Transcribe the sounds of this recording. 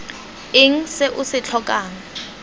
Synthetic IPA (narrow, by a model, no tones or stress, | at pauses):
ɪŋ̩sɪʔʊsɪt͡ɬʰɔkʼaːŋ̩